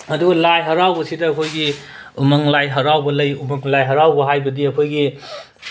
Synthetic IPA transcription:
ɐduɡɐlajɦɐɾawbɐsidɐːkʰojɡi | umɐŋlajɦɐɾawbɐlɐjumɐŋlajɦɐɾawbɐɦajbɐdiɐkʰojɡi

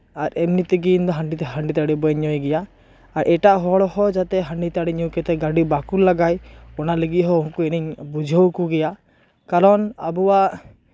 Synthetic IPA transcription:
aɾɛmnit̪ɛɡind̪ɔɦaɳɖit̪haɳɖit̪aɽibɔɛɲɔjɡɛjaː | ɾʔɛʈaʔɦɔɽɔhɔd͡ʒat̪ɛɦaɳɖit̪aɽiɲɔwkɛt̪ɛɡaɖibakuɾlaɡajɔnaleɡiɦɔɔnkuɛniɲbud͡ʒʱawkuɡɛja | kaɾɔna̰buwaʔ

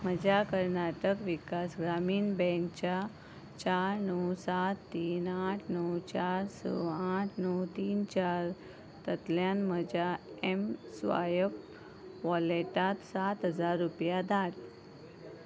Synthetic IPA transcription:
məd͡ʑakəɾnaʈəkʋikasɡɾamiːnbɛ̃ŋk̚t͡ɕa | t͡ɕaɾnəwsat̪ːiːnaʈʰnəwt͡ɕaɾsɔ̰aʈʰnəwt̪iːnt͡ɕaɾ | t̪ət̪ljanməd͡ʑaemsʋa̰jəp | ʋɔleʈat̪sat̪ɦəd͡zaɾːupjad̪ʱaʈ

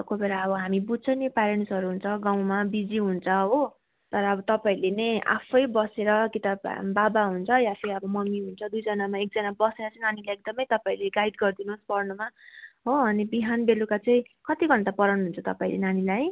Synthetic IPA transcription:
kobeɾaʌbʌɦamibut͡sʰʌnepaɾensʌɾuɦunt͡sʰʌɡaw̃mabid͡ziɦunt͡sʰʌɦo | t̪ʌɾʌːbʌt̪ʌpaĩlenʌja̰pʰʌjbʌseɾʌkit̪abbabaɦunt͡sʰʌjasiʌbʌmʌmiɦunt͡sʰʌd̪ujd͡zʌnamaek̚d͡zʌnabʌseɾʌt͡sʌĩnanilaek̚d̪ʌmʌjt̪ʌpaĩleɡaiɖ̪ɡʌrd̪inuspʌrnumaɦoʌnibiɦanbelukat͡saĩ | kʌt̪iɡʱʌnt̪apʌɾʌnɦunt͡sʰʌt̪ʌpaĩlḛnanilaj

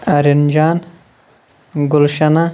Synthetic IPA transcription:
ɐɾind͡ʒaːn | ɡulʃɐna

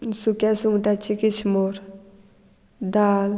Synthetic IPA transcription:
sukasuŋʈat͡ʃikit͡ʃʰmoɾ | d̪aːl

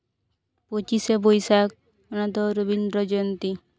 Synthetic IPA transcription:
pot͡ʃisebojsak̚ | ɔnat̪ɔɾobind̪ɾɔd͡ʒɔnt̪i

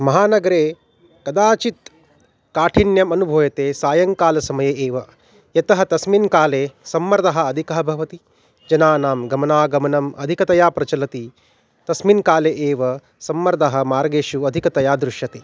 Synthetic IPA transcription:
mɐɦaːnɐɡɐɾeː | kɐd̪aːt͡ʃit̪ | kaːʈʰinjɐmɐnubʱoːjɐt̪eːsaːjɐŋkaːlɐsɐmɐjeːʔeːʋɐ | jɐt̪ɐɦɐt̪ɐsminkaːleːsɐmːɐɾd̪ɐɦɐ̆ɐd̪ʱikɐɦɐbʱɐʋɐt̪i | d͡ʒɐnaːnaːmɡɐmɐnaːɡɐmɐnɐmɐ̰d̪ʱikɐt̪ɐjaːpɾɐt͡ʃɐlɐt̪i | t̪ɐsminkaːleːʔeːʋɐ | sɐmːɐɾd̪ɐɦɐ̆maːɾɡeːʃuɐd̪ʱikɐt̪ɐjaːd̪ɾuʃjɐt̪eː

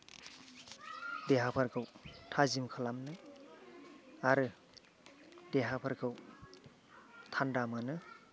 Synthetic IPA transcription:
deɦapʰaɾkʰɯwtʰazimkʰalamnɯ | aɾɯ | deɦapʰaɾkʰɯw | tʰandamanɯ

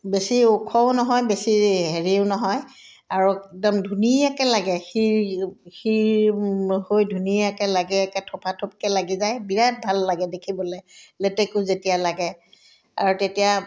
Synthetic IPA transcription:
besiʊkʰɔʊnɔɦɔjbesiɦeɹiʊnɔɦɔj | aɹuɛk̚dɔmdʱuniakɛlaɡɛxi | xi | hojdʱuniakɛlaɡɛɛkɛtʰɔpʰatʰɔp̚kɛlaɡizajbiɹat̚bʱalːaɡɛdekʰibɔlɛlɛtɛkʊzetijalaɡɛ | a̰ɹutetija

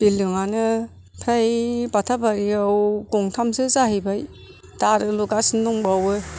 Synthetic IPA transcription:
b̥ilɯŋanɯ | pʰajbatʰabaɾiawɡɔŋtʰamsɯzaɦibaj | taɾɯluɡasɯndɔŋbawɯ

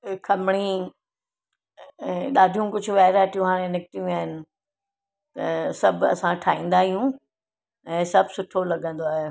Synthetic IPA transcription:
kʰɐmɪɽ̃i | ɛ̃ːɗaːɖʱijũkʊd͡ʑʱʊ̆ʋaːɪɾaːʈʰijũɦaːɾẽnɪkʈ̪ijũaːɦɪnɪ̆ | t̪ɐsɐbʱɐ̰sãʈʰaːĩːnd̪aːɦijũ | ɛ̃ːsɐbʱsʊʈʰolɐɠə̃nd̪oaːɦe

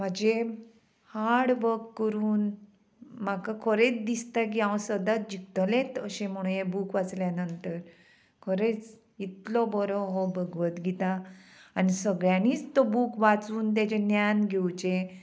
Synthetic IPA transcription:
m̤ad͡ʑe | haɽʋəkkːəɾuːn | makakʰəɾet͡sd̪ist̪ak̬iãwsəd̪at͡s̚d͡ʑikt̪əlẽt̪əɕẽm̤əɽ̃ũjebukʋat͡sljanənt̪əɾ | kʰəɾet͡s | it̪lɔbɔɾɔɦɔbʱəɡʋət̪ɡʱit̪aːnisəɡɭjãniːt͡st̪ɔbukʋat͡suːnt̪̬jat͡ɕenjanɡʱewt͡ɕẽ

